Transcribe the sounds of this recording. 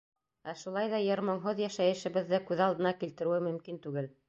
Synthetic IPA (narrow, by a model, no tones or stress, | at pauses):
æʃulˠɑjðɑjɤ̆ɾmoɴɦoðjæʃæjɘ̆ʃɘ̆βɘ̆ðːɘkʉðɑlˠd̪ɤ̆nɑkilt̪ɘ̆ɾɘwɘmɵ̆mkint̪ʉɡɘl